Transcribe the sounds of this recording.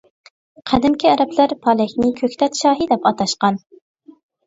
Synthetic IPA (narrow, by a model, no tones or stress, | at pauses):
qʰæd̪ɪmkʲʰiæɾɛplæɾpʰɑlˠɛkʲnɪkʲʰøkʲt̪ʰɛt̪ʃɑːɦid̪ɛpɑt̪ʰɑʃqɑn